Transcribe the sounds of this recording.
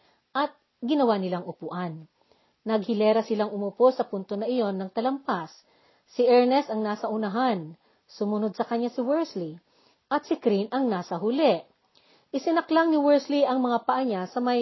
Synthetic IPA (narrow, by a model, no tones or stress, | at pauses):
ʔɐt̪̚ | ɡɪnɐwanɪlaŋʔʊpuʔanː | ɐɡ̚hɪlɛːɾɐsɪlaŋʊmuposɐpʊnt̪onɐʔɪjo̞nːɐŋt̪ɐlɐmpasː | ɪʔɛɹnɛsɐŋnaːsɐʔʊnɐɦan | sʊmʊnod̪̚sɐkɐɲjasɪwɛɹsli | ʔɐt̪̚sɪkɾinʔɐŋnaːsɐɦʊlɛʔ | ʔɪsɪnɐklaŋnɪwɛɹsliʔɐŋmɐŋapɐʔaɲasɐmɐj